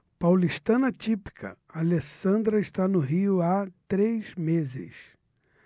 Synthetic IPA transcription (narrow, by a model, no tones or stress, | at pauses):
pawliʃt̪ɐ̃nɐt͡ʃipi̥kʰɐ̰ | alesɐ̃nd̪ɾɐɪʃt̪anʊɦiʊat̪ɾezmezɪ̰s